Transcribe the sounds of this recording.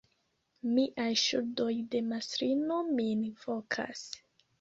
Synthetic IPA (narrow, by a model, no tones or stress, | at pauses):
miʔajʃṵɾdo̞jde̞masɾino̞minvo̞kʰa̰s